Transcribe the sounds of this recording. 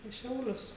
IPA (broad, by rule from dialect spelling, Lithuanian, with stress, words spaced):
iː ˈʃʲɛʊlʲʊs